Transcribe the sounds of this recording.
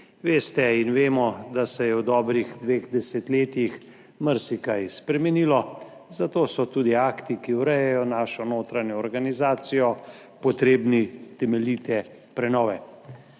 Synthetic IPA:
ʋeːst̪ɛinʋeːmɔd̪asɛjɛwd̪ɔːbɾiɣd̪ʋeːɣd̪ɛsɛt̪leːt̪jix | məɾsikajspɾɛmɛniːlɔ | zat̪oːsɔt̪uːd̪iaːkt̪ikiwɾɛjɛjɔnaːʃɔnoːt̪ɾanjɔːɾɡanizaːt̪sijɔ | pɔt̪ɾeːbnit̪ɛmɛliːt̪ɛ | pɾɛnɔːʋɛ

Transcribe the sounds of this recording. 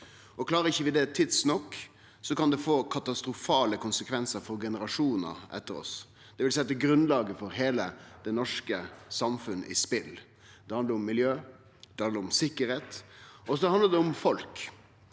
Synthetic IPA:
ʔɔkʰlɑːɾəɪçːəʋɪd̪ɛt̪ʰɪd̪snɔkː | sɔkɑnd̪ɛfoːkʰɑt̪ɑst̪ɾʊfɑːləkʰʊnsəkʰʋɛnsəɾfɔɾɡɛnəɾɑʂuːnə̰ɾʔɛ̰t̪ːəɾɔ̰s | d̪̥ɛʋɪlsɛɑt̪ːɛɡɾʉnlɑːɡəfɔɾɦeːləd̪̥ɛnɔʂkəsɑmfʉnːə̰ʔɪ̰spɪl | d̪̥ɛhɑnd̪əɾʊmːɪljøː | d̪̥ɛhɑnd̪əɾʊmsɪkːəɾheːt̪ɔs̬ɔhɑnd̪əɾd̪ɛʊmfɔlk

